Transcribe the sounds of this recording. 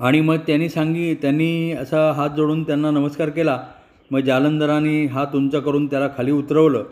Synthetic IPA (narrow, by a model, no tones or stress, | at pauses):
aɽ̃iməɡ̚t̪janːiːsaŋɡiːt̪janːiːəsəɦat̪̚d͡zoɽuːnt̪janːanəməskaɾkela | məɡd͡ʑalənd̪əɾaniːɦat̪umt͡ɕakəɾuːnt̪jalakʰaliːut̪ɾəʋləː